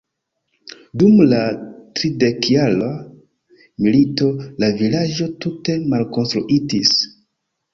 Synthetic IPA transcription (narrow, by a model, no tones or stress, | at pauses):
dumlatɾide̞kjala | milito̞lavilad͡ʒo̞tute̞malko̞nstɾuʔitis